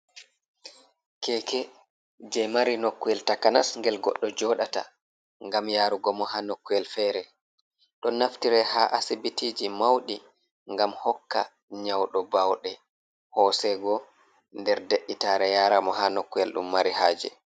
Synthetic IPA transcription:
kɛkɛ | d͡ʒɛmaɾinokːuɛltakana̰sŋɡɛlɡɔ̰ɗːɔd͡ʒɔɗata̰ | ŋɡamjaːɾuɡɔmɔhanokːuɛlfɛːɾɛ | ɗɔnaftiɾɛhaʔasibitiːd͡ʒimawɗi | ŋɡamhɔkːa̰ | ɲawɗɔbawɗɛ | hɔːsɛɡɔ | ndɛɾdeɗːitaɾɛjaːɾamɔhanokːujɛlɗṵmːaɾihaːd͡ʒɛ̰

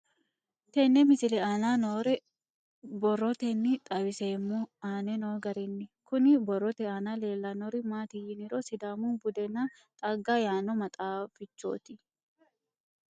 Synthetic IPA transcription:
t̪ɛnːɛmɪsɪlɛaːnaːnoːɾɛ | bɔrɔt̪ɛnːɪt̪ʼɐwɪseːmːɔaːnɛnoːɡɐɾɪnːɪkʊnɪbɔrːɔt̪ɛaːnaːle̞ːlːanoːɾɪmaːt̪ɪjɪnɪɾosɪd̪aːmunbʊd̪ɛna | t̪ʼɐɡːajaːnɔmɐt̪ʼaːfɪt͡ʃːo̰ːt̪ɪ

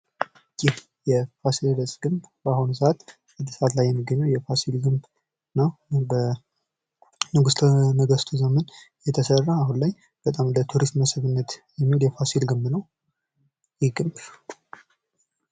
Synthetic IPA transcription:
t͡ʃʼːi | jɛfasild̪əsʼɡ̥ɨmbbahunusəʔat̪ | ɨd̪əsəʔat̪lajːɛmːiɡːəɲːəwjɛfasilɡɨmb | nəwbə | nɨɡust̪ʰnəɡəst̪ʰuzəmən | jɛt̪ʰəsərːaːhunləɲː | b̥ət̪ʼamnd̪ət̪ʰuɾismməsɨβɨnːət̪jɛmːiholjɛfasilɡɨmbnəw | jɪɡɨmb

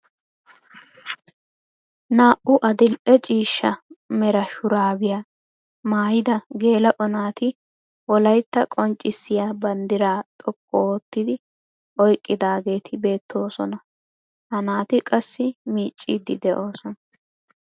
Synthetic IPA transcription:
naːʔʊʔɐd̪ɪlʔɛt͡ʃʼiːʃːɐmɛɾɐʃʊɾaːbɪjaː | maːjɪd̪ɐɡe̞ːlɐʔɔnaːt̪ɪ | ʔɔlɐjt̪ːɐkʼɔnt͡ʃʼːɪsːɪjaːbɐnd̪ɪɾaːt̪ʼɔkʼːɔoːt̪ːɪd̪ɪ | ʔɔjkʼːɪd̪aːɡe̞ːt̪ʰɪbe̞ːt̪ʰːo̞ːsɔnɐ | hɐnaːt̪ɪkʼɐsːɪmiːt͡ʃʼːiːd̪ɪd̪ɛʔo̞ːsɔnɐ

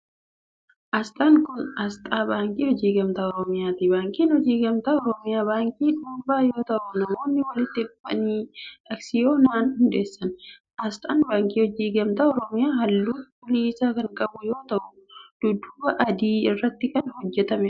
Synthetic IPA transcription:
ʔɐst̪ʼaːŋkʊnɐst̪ʼaːbaːŋkʼiːhɔd͡ʒiːɡɐmt̪aːɔɾɔmɪjaːt̪ibaːŋkʼiːnhɔd͡ʒiːɡɐmt̪aːɔɾɔmɪjaːbaːŋkʼiːᶑuːbaːjo̞ːt̪ɐʔʊnɐmo̞ːnːɪwɐlɪt̪ːɪɡʊfɐ̰niːɐksɪjo̞ːnaːnhʊnᶑ̪e̞ːsːɐn | ʔɐst̪ʼaːnbaːŋkʼiːhɔd͡ʒiːɡɐmt̪aːɔɾɔmɪjaːɦɐlːuːt̪bʊliːsaːkɐŋkʼɐbʊjo̞ːt̪ɐʔʊ | d̪̥ʊd̪ʊbɐʔɐd̪iːɪrːɐt̪ːɪkɐnhɔd͡ʒːɛt̪ɐmɛ

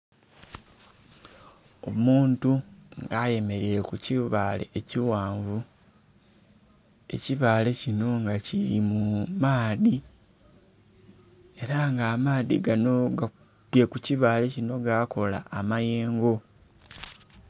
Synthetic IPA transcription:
o̞̰muːntuŋɡaje̞me̞ɾiɾe̞kuciβaːle̞̰ːciwaːɱvu | e̞̰ciβaːle̞cino̞ŋɡaciɾimumaːði | e̞ɾaŋɡaːmaːðḭɡanoa | pje̞kuciβaːle̞cino̞ɡako̞la̰ːmaje̞ːŋɡo̞

